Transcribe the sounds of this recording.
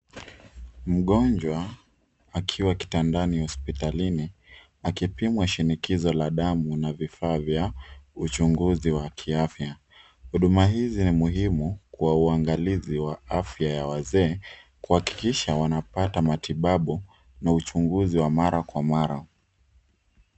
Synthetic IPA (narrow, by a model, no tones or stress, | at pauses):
m̩ɠɔnd͡ʒwa | akʰiwaki̥tandanihɔspitalini | akipimwaʃinikizɔlaɗamunavifaːvjaut͡ʃuŋɡuziwakʰiafja | huɗumaɦizinimuɦimukuwauaŋɡaliziwaafjajawazɛːkuhaki̥kiʃawanapatamatiɓaɓu | naut͡ʃuŋɡuziwamaɾakwamaɾa